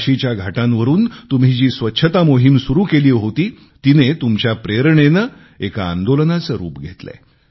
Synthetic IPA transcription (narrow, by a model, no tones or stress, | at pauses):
ɕit͡ɕjaɡʱaʈãnʋəɾuːnt̪umɦid͡ʑiːsʋətːɕʰət̪amoɦimsuɾuːkeliːɦot̪iː | t̪inet̪umt͡ɕjapɾeɾɳenə | ekaa̰nd̪olənat͡səɾṵːpɡʱet̪lḛ